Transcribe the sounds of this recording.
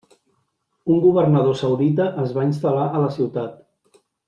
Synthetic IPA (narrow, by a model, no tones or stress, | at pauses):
uŋɡuβərnəð̞osəwðit̪əʔːzβainst̪əlaʔələsiwt̪at̪